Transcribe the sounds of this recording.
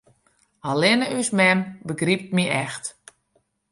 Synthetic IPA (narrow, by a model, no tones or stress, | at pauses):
alɪnəysmɛmbəɡrip̚t̚miɛxt